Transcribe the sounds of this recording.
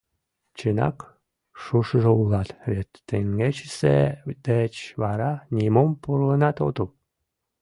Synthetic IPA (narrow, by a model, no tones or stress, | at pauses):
t͡ɕɨnɑ̰k | ʃuʃʒəulɑt̪βʲet̪ːeŋɡet͡ɕsḛd̪̥et͡ɕβɑɾɑnʲimompuɾlənɑt̪o̰t̪u